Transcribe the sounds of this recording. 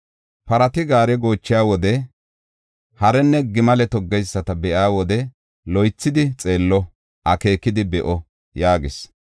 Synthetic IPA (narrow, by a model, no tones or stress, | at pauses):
pɐɾɐt̪ɪɡaːɾɛɡo̞ːt͡ʃːɪjaːwɔd̪ɛ | hɐɾɛnːɛɡɪmɐlɛt̪ɔɡːɛjsːɐt̪ɐbɛʔaːwɔd̪ɛ | lɔjt͡sːɪd̪ɪt͡sʼeːlːɔ | ʔɐke̞ːkːɪd̪ɪbɛʔɔ | jaːɡɪs